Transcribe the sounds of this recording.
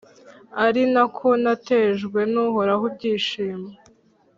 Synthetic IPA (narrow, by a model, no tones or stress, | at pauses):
aɾinakʰo̞nate̞ʒɡwe̞nuɦo̞ɾaɦub̚ɟiːʃiːme